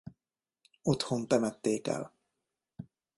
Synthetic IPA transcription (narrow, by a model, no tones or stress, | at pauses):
ot̪hont̪ɛmɛt̪ːeːkɛ̰l